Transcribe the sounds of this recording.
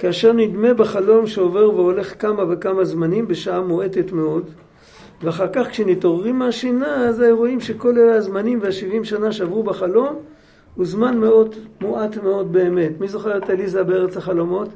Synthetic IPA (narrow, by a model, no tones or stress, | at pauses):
kaaʃe̞ʁnidme̞beχalo̞mʃeove̞ʁveo̞le̞χkamave̞kamazmanimbe̞ʃaamoe̞tetmeo̞d | veaχaʁkaχkʃenito̞ʁːimːeaʃinaːzajuʁo̞imʃe̞ko̞leleazmanimvehaʃivimʃanaʃavʁubeχalo̞m | huzmanmeo̞dmoʔatmeo̞d̚be̞ːme̞tmizo̞χeʁetalizabeeʁet͡saχalo̞mo̞t